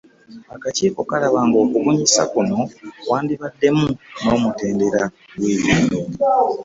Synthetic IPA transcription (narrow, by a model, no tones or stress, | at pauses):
akaciːko̞kalaβaːŋɡo̞ːkuβuɲisa̰kuno̞waːndiβadːe̞muno̞ːmute̞ːnde̞ɾa | ɡweːβiːndoi